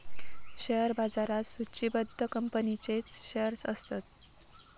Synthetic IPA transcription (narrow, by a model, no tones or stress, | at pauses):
ɕejəɾbad͡zaɾasut͡ɕibəd̪ʱːəkəmpənit͡ɕet͡sɕejəɾsə̰st̪at̪̚